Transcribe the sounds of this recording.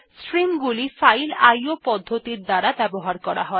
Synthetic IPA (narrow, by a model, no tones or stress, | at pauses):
sɾimɡulifajlajopɔd̪ʱːot̪iɾd̪aɾabɛboɦaɾkɔɾa̰ɦɔe